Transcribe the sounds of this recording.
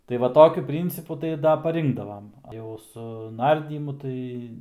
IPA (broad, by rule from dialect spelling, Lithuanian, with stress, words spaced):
tɐɪ ˈʋɐ ˈtoːkʲʊ ˈpʲrʲiːnʲt͡sʲɪpʊ tɐɪ ˈdɐ pɐˈrʲɪŋɡdɐʋɐm jɛʊ sʊ ˈnɐrʲdʲiːmʊ ˈtɐɪ